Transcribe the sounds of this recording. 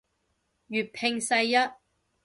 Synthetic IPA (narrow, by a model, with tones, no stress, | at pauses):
jyː˨t̚pʰɪ˧ŋsɐ˧jjɐ˥t̚